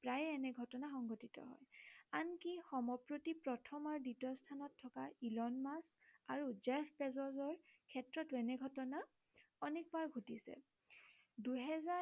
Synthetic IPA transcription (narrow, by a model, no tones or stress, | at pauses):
pɹajɛnɛɡʱɔtɔnaxɔŋɡɔtitɔ̰ɦɔ̰jankixɔmɔpɹotipɹɔtʰɔmaɹditɔstʰanɔtʰːɔkailɔnmas | aɹud͡ʒɛfpɛzɔzɔɹkʰɛtɹɔtuɛnɛɡʱɔtɔna | ɔnik̚baɹɡʱutisɛ̰ | duɦɛza